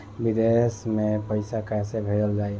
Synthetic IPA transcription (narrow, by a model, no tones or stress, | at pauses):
bid̪esmẽpəɪsakɛsebʱeɾəld͡ʒaːi